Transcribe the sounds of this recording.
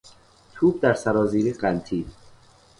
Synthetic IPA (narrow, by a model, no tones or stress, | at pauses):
t̪ʰuːb̚d̪æɾsæɾɒːziːɾiːɢænt̪ʰiːd̪